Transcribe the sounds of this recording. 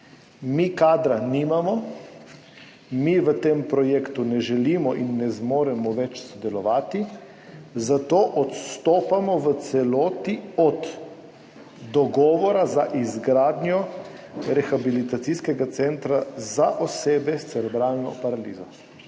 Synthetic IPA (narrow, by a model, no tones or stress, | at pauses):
mikaːd̪ɾaniːmamɔ | miʋət̪eːmpɾɔjeːkt̪unɛʒɛliːmɔʔinːɛzmoːɾɛmɔʋɛt͡ʃsɔd̪ɛlɔʋaːt̪i | zat̪oːʔɔt̪st̪oːpamɔʋət̪sɛlɔːt̪iɔd̪ | d̪ɔɡɔːʋɔɾazaʔizɡɾaːd̪njɔ | ɾɛxabilit̪at̪siskɛɡat̪sɛnt̪ɾazaʔɔseːbɛst̪sɛɾɛbɾaːlnɔ̰paɾalḭːzɔ